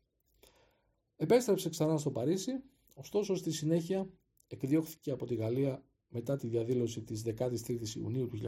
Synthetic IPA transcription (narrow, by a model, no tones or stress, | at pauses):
e̞pe̞st̪ɾe̞pse̞ksɐnɐst̪opɐɾisi | o̞st̪o̞so̞st̪isine̞çiɐ | ekðio̞xθi̥ce̞ɐpo̞t̪iɣɐliɐ | me̞t̪ɐt̪iðiɐðilo̞sit̪izðe̞kɐt̪ist̪ɾit̪isḭṵniut̪uçiʎ